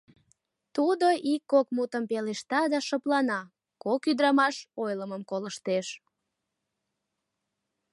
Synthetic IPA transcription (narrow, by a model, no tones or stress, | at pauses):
t̪ud̪oʔikːokmut̪əmpeleʃt̪ɑd̪ɑʃəplɑnɑ | kokyd̪ɾɑmɑʃojləməmkoləʃt̪eʃ